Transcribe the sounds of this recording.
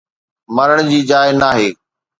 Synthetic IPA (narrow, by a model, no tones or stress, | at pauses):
mɐɾəɽ̃d͡ʑiːd͡ʑaːɪnaːɦeː